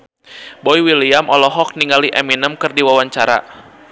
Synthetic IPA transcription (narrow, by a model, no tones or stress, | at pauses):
bɔiwiliamɔlɔɦɔk̚niŋɡaliʔɛminəmkɨrdiwawaɲt͡ʃaɾa̰